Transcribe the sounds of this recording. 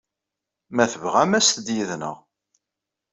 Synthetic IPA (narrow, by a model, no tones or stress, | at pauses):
mæθəvʁæmæsd̪jiðnə̰ʁ